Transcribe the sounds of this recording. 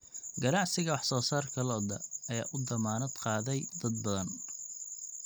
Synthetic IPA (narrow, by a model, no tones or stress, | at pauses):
ɡɐnɑʕsɪɣɐwɑħsɔːsaːrkʰɐlɔd̪ɐɐja̰ːʔʊd̪ɐmaːnɐd̪qɑːðɛjd̪ɐd̪bɐðɐn